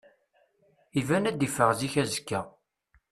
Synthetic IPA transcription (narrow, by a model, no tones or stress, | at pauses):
ivænæd̪ifəʁziçæzə̥kːæ